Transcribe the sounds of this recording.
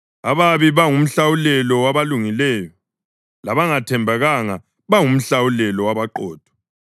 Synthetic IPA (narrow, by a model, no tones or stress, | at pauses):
aβaβiβaŋum̩ɬawulɛlɔwaβaluŋilɛːjɔ | laβaŋatʰɛmbʱaɣaŋa | βaŋum̩ɬawulɛlɔwaβaǃɔːd̥ʱɔ̥